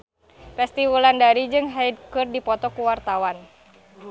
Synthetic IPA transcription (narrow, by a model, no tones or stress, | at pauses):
fɛst̪iwulandaɾid͡ʒɨŋɦaid̚kɨrdipɔt̪ɔkuwart̪awan